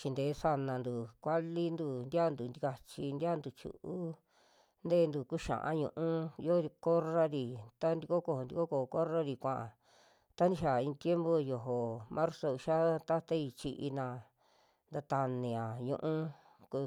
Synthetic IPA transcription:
t͡ʃi˧nd̪e˨˦sa˧nã˧nd̪u˨kʷa˦li˦nd̪u˧nd̪ja˦˨nd̪u˨nd̪i˧ka˧t͡ʃi˧nd̪i˦a˦˧nd̪u˧˨t͡ʃṵ˨ʔu˦ | nd̪e˦˧˦nd̪u˧ku˦ʃã̰˨ʔã̰˦ɲṵ̃˧ʔũ˦jo˦ɾi˧ko˦ra˦ɾi˨t̪a˦nd̪i˧ko˦ko˧˨ho˧˨nd̪i˧ko˦ko˨˧ko˦ɾa˦ɾi˨kʷã˨ʔã̰˨ | t̪a˦nd̪ĩ˧ʃa˨ĩ˧t̪je˦mbo˧jo˧ɦo˨mʔã˦ɾso˧u˧ʃa˦t̪a˦t̪a˦i˧t͡ʃi˧ʔi˧nã˧ | nd̪a˧t̪a˧nĩ˨ã˨ɲṵ̃˧ʔũ˦ | ku˧

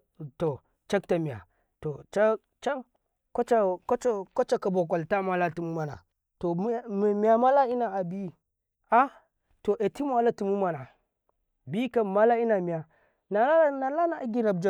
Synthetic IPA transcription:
to˨ | t͡ʃa˦k̚ta˨mi˨a̰˨ | to˨t͡ʃa˦ | t͡ʃa˦ŋ | ka˦t͡ʃa˦ka˦t͡ʃa˦ka˦t͡ʃa˦ka˨bo˨k̬a˨lta˦m˦a˨la˦ti˨mu˦ma˨na̰˨ | to˨˦m˨mi˨ja˨ma˦la˦i˦na˨a˨bi˦ | a˦ | to˨ʔe˨ti˦m˦a˨la˦ti˨mu˦ma˨na˨ | bi˦ka˨ma˦la˦i˦na˨mi˨ja˨ | na˨la˦na˨la˦na˨˦ɡi˦ɾa˨bd͡ʒa˦

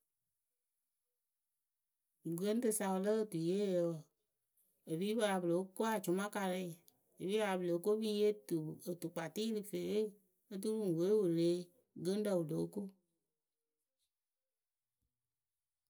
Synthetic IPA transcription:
ɡə˦n̩˦tɨ˧sa˧˨wə˧lə˦ə˦˨tu˨jeː˦jə˧w | e˨βiː˦ba˧la˧bə˨lo˨˦ko˦a˨d͡ʒu˨˦mã˦ka˧ɾɛ˧˦˨ | e˨biː˦wa˧la˧bə˨lo˨˦ko˦biː˦je˦tu˨ə˨tu˨k͡pa˨tiː˦lɨ˨fe˨˦ | e˦t̬u˦lũ˦˨ŋ˨we˨˦wo˨le˨˦ | ɡə˦n˦də˨wu˨lo˨˦ko˦

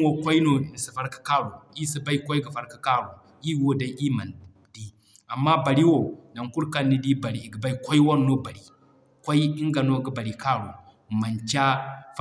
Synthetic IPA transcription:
wo˦kʷa˦i˦no˨i˨n˨si˨fa˦ɾkḁ˦ka˦ɾu˨i˦si˦ba˦i˦kʷo˦ɡa˨fa˦ɾkḁ˦ka˦ɾu˨ | i˦wo˦da˨˦ʔi˦ma˨n | di˦ | a˨mːa˦ba˨ɾi˦wo˨na˨ŋku˦ɾka˦nːi˦di˦ba˨ɾi˨ɡi˨ba˦i˦kʷo˦i˦wo˦n˦no˦ba˨ɾi˨ | kʷa˦i˦i˦ŋɡa˨no˦˨ɡba˨ɾi˨ka˦ɾṵ˨ | ma˨nt͡ʃa˦f

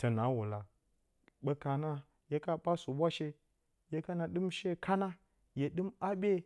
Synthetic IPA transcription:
tə˨na˨˦wu˨la˨ | ɓe˨ka˨na˦ | je˦ka˦ɓa˦su˨bʷa˦ʃe˦ | je˦ka˦na˨ɗɨ˦mʃe˦kʰa˦na˦ | je˨ɗɨ˦ma˦ɓʲe˦

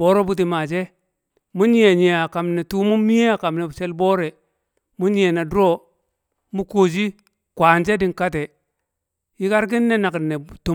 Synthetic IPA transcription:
bo˦ɾo˦bu˦t̬i˨ma˨d͡ʒe˦ | mu˦ɲi˦e˨ɲi˨a˨ka˨mne˨tu˦mu˦mi˦je˦a˨ka˨mne˨se˦lboː˦ɾe˨ | mu˦ɲi˦e˨na˨du˦o˦ | mu˦ko˨d͡ʒi˦ | kʷaː˨nd͡ʒe˦di˨ŋka˦te˨ | ji˦ka˦ɾɡ̬i˦nːe˦na˨ki˨nːe˨tu˨

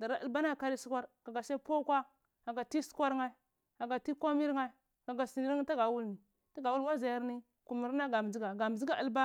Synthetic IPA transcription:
da˨ɾa˦ʔa̰˦lba˦na˦˨ka˦ɾi˦su˦kʷa˦ɾɡa˨ɡa˨sa˦po˦kʷa˦ | a˨ɡa˨ti˦su̥˦kʷa˦ɾŋa˦i˦ | ɡa˨ɡa˨ti˦kʷo˦mi˦ɾŋa˦i˨ɡa˨ɡa˨si˨ni˦ɾŋ˦ta˦ɡa˨wu˦lni˨ | ta˦ɡa˨wu˦lwa˦za˨ja˦ɾni˦ | ku˨mi˨ɾna˦ɡa˨m˨d͡ʒi˦ɡa˨ɡa˨m˨zi˦ɡa˨a˦lba˦

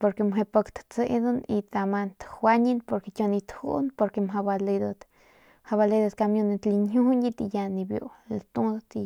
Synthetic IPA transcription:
po˧ɾke˧mɦe˧pə˧kt̪t͡sḛ˧d̪u˦ni˧t̪a˧ma˧nt̪hwa˦ɲi˦npo˧ɾke˧kʲo˧ni˧t̪hṵ˦npo˧ɾke˧mɦa˧ba˧le˧d̪a˧t̪ | ha˧ba˧le˧jd̪a˧t̪ka˧mjo˧ni˧t̪li˧nɦu˦ni˦t̪i˧ja˧ni˧bjo̰˧lt̪u˦d̪t̪i˧

